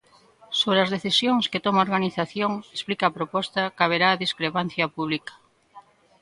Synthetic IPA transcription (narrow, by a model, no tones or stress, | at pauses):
soβɾeɐzðeθisjoŋsket̪ɔmaoɾɣaniθaθjoŋesplikaːpɾopɔst̪akaβ̞eɾaːðiskɾepan̟θjɐpuβ̞likɐ̥